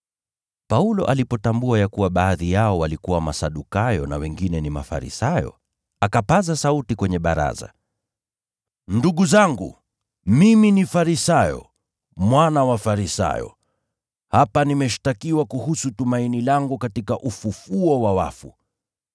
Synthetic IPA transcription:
paulɔʔalipɔtambuajakuwaɓaːðijaɔwalikuwama̰saɗukajɔna̰wɛŋɡinɛnima̰fa̰ɾḭsajɔ̰ | akapazasautikwɛɲɛɓaɾa̰za̰ | nduɠuzaŋɡṵ | miminifaɾisajɔ̰ | mwanawafaɾisa̰jɔ̰ | hapanimɛʃi̥takiwakuhusutumainilaŋɡukatikaʔufufuɔwawa̰fṵ

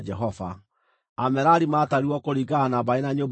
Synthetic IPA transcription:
d͡ʒɛɦɔva | amɛɾaɾimaːtaɾiwɔkoɾiɡanaβaenaɲoːb

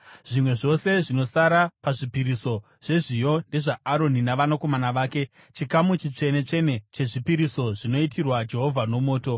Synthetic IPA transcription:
ʐ̥imwe̞ʐo̞se̞ʐino̞saɾapaʐipiɾiso̞ | ʐ̥e̞ʐijo̞nde̞ʐaːɾo̞ninaʋanako̞manaʋaːke̞ | t͡ʃikamut͡ʃit͡ʂe̞ne̞t͡ʂe̞ne̞t͡ʃe̞ʐipiɾiso̞ʐino̞itʰirwad͡ʒe̞ɦo̞vʱano̞mo̞ːto̞

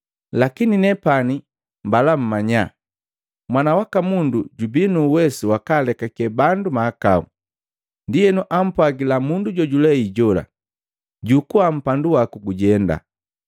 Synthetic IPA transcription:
lakininɛpani | mbalam̩maɲa̰ | mwanawakamunduɟubinuːwɛsuwakaːlɛkakɛbandumaːka̰u | ndijɛnuʔam̩pwaɡilamunduɟɔɟulɛiɟɔla̰ | ɟukuam̩panduwakuɡuɟɛnda̰

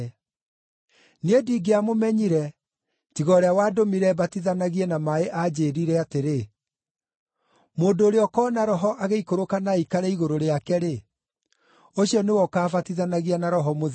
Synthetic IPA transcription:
nediɡeamomɛɲiɾɛ | tiɣɔɾeawaːdomiɾɛbatiðanaɣiɛnamaeʔad͡ʑeːɾiɾɛateɾe | moːndoːɾeɔkɔːnaɾɔɦɔʔaɣeikoɾokanaikaɾɛiɣoɾoɾeakɛɾe | oɕiɔnewɔkaːfatiðanaɣianaɾɔɦɔmoð

